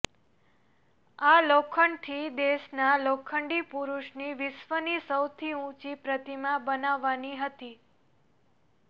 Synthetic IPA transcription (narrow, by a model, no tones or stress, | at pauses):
alokʰəɳɖt̪ʰid̪eʃnalokʰəɳɖipuɾuʃniʋɪʃʋənisəwt̪ʰiũt͡ʃipɾət̪imãbənaʋːaniɦət̪i